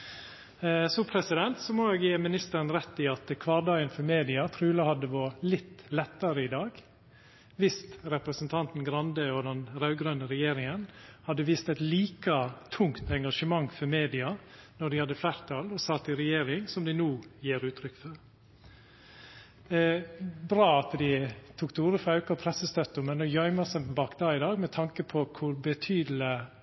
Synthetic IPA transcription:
sɔpʰɾɛsɪd̪ɛnt̪sɔmoeːɡjeːmɪnɪst̪əɾənɾɛt̪ːɪɑt̪kʰʋɑːɾd̪ɑːɡənfɔɾmeːd̪ɪɑt̪ʰɾʉːlɑhɑd̪əʋɔlɪt̪ːlɛt̪ːɑɾəɪd̪ɑːɡ | ʋɪst̪ɾɛpɾəsnt̪ʰɑnt̪n̩ɡɾɑnd̪əɔd̪ɛnɾɑʉɡɾønəɾɛjeːɾɪŋənhɑd̪ːəʋiːst̪æɪt̪liːkət̪ʰʊŋt̪ɛŋɡɑʂəmɑŋːfɔɾmeːd̪ɪɑnɔɖɪhɑd̪ːəflæɾt̪ʰɑːlɔsɑt̪ːɪɾɛjeːɾɪŋsɔmd̪ɪnuːjeːɾʉːt̪ʰɾʏkːfɔɾ | bɾɑːɑt̪d̪ɪt̪ʰukt̪ʰəuːɾəfɔɾɑʉkɑɔpʰɾɛsəst̪œt̪ːəmɛnːɔjœʏməsɛmbɑːkd̪ɑːɪd̪ɑːɡmɛt̪ʰɑŋkəpʰɔkʰʊɾbət̪ʰyːd̪l̩ə

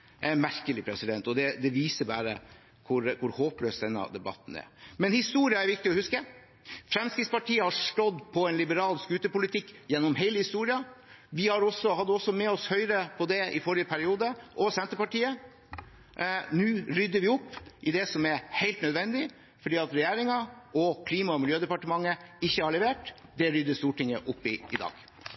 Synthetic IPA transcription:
æmæɾkəlɪpʰɾɛsɪd̪ɛnt̪ɔd̪ɛd̪ɛʋiːsəbæ̰ːɾə̰ | kʰʊɾkʰʊɾhoːpløːsd̪ɛnːə̰d̪ɛbɑ̰t̪ːn̩æ̰ɾmɛnhɪst̪uːɾɪɑæɾʋɪk̚t̪ɪɔhʉskə | fɾɛmskɾɪt̪spɑʈʰiːəhɑʂʈɔd̪pʰɔɛnlɪbəɾɑːlskʉːt̪əpʊlɪt̪ʰɪkːjɛnːɔmheɪləhɪst̪uːɾɪɑ | ʋɪhɑɾɔsːɔhɑd̪ːəɔsːɔmɛɔshœʏɾəpʰɔd̪ɛʔɪfɔɾɪəpʰæɾɪuːd̪əʔɔsɛnt̪əpɑʈiːə | nʉːɾʏd̪ːəʋɪɔpːʔɪd̪ɛsɔmɛɾheɪlt̪nœd̪ʋɛnd̪ɪ | fɔɖiːɑt̪ɾɛjæːɾɪŋɑʔɔkʰliːmɑɔmɪljøːd̪ɛpɑʈəmɑŋːəɪçːəhɑɭɛʋeːʈd̪ɛɾʏd̪ːəst̪uːʈɪŋə̰ʔʊpːɪ̰ɪd̪ɑ̰ːɡ̥

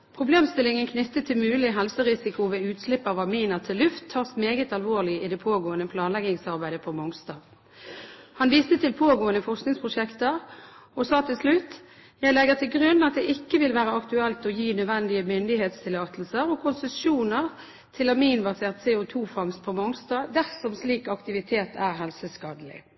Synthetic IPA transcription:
pʰʁʊbleːmst̪ɪlɪŋənkʰnʏt̪ːət̪ʰːɪmʉːlɪɦɛlsəʁɪsɪkʊʋeːʉːt̪slɪpːɑʋɑmiːnəʁt̪ʰɪlːʉft̪ʰːɑːʁsmeːɡət̪ɑlʋoːʁlɪɪd̪ɛpʰoːɡoːənəpʰlɑːnlɛɡɪŋsɑʁbæɪd̪əpʰɔmɔŋst̪ɑː | hɑnʋiːst̪ət̪ʰɪlpʰoːɡoːənəfɔʁsknɪŋspʰʁʊʂɛkt̪əʁɔsɑːt̪ʰɪlslʉt̪ː | jæɪlɛɡəʁt̪ʰɪlɡʁʉnːɑt̪̚d̪ɛʔɪkːəʋɪlʋæːʁəɑkt̪ʉɛlt̪ɔjiːnœd̪ʋɛnd̪ɪəmʏnd̪ɪheːt̪st̪ʰɪlɑːt̪l̩səʁɔkʰʊnsəsuːnəʁ | t̪ʰɪlɑmiːnbɑseːʁt̪seːʊt̪ʰuːfɑŋst̪̚pʰɔmɔŋst̪ɑːd̪æʁsɔmsliːkɑkt̪ɪʋɪt̪ʰeːt̪ʰæːʁɦɛlsəskɑːd̪əlɪ̰

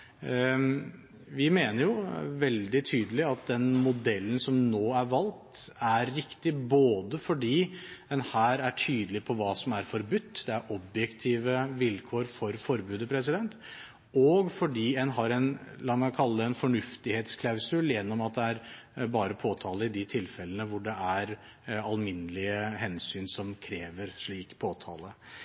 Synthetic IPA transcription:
ʋɪmeːnəɾjʊʋɛld̪ɪt̪ʰyːd̪əlɪɑt̪̚d̪ɛnmʊd̪ɛlːən̩sɔmnoːæɾʋɑlt̪æɾːɪkt̪ɪboːd̪əfɔɖiːɛnhæːɾæʈʰyːd̪əlɪpʰɔʋɑːsɔmæɾfɔɾbʉt̪ːd̪ɛæɾʔɔbjɛkt̪ʰiːʋəʋɪlkʰoːɾfɔɾfɔɾbʉːd̪əpʰɾɛs̬ɪd̪ɛnt̪ | ɔɡfɔɖiːɛnɦɑɾɛnlɑmɑkʰɑlːəɛnfɔɳʉft̪ɪheːt̪skʰlɑʉsʉljɛnːɔmɑt̪̚d̪ɛæɾ | bɑːɾəpʰoːt̪ʰɑːləɪd̪ɪt̪ʰɪlfɛlːənəʋʊɖɛæɾ | ɑlmɪnːəlɪəhɛnsyːnsɔmkʰɾeːʋəɾʂɭiːkpʰoːt̪ʰɑ̰ːlə

